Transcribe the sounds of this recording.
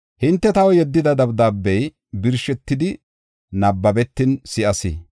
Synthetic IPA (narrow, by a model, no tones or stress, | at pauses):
hɪnt̪ːɛt̪ɐwɔjɛd̪ːɪd̪ɐd̪ɐbd̪aːbːɛj | bɪɾʃɛt̪ːɪd̪ɪ | nɐbːɐbɛt̪ːɪnsɪʔɐsɪ̰